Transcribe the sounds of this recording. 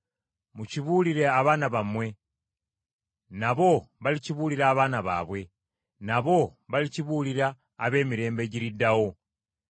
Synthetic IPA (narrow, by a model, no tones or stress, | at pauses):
muciβuːliɾe̞aβaːnaβamwe̞ | naβo̞βaliciβuːliɾaːβaːnaβa̰ːβwe̞ | naβo̞βaliciβuːliɾaː | βe̞ːmiɾe̞ːmbe̞ɟiɾidawo̞